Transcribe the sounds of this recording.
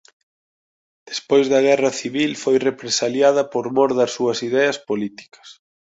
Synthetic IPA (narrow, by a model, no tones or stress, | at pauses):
d̪̥espojzðɐɣ̞ɛrɐθiβilfojrepɾesaljað̞ɐpoɾmoɾðɐsːuɐsiðɛɐspolit̪i̥kɐ̥s